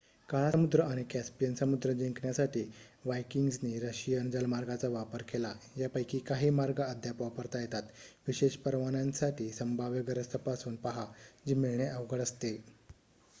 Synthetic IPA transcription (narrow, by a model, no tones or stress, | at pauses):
kaɭaəmud̪ɾəaɽ̃ikæspijənsəmud̪ɾəd͡ʑiŋkɳjasaʈiːʋajkiŋɡsniːɾəɕijənd͡zəlmaɾɡat͡saʋapəɾkelajapəjkiːkaɦiːmaɾɡaəd̪ʱjapapəɾt̪ajet̪at̪ʋiɕeɕpəɾʋañãnsaʈiːsəmbʱaʋjəɡəɾəst̪ʰəpasuːnpaɦad͡ʑimiɭɳeʔəʋɡəɽəst̪e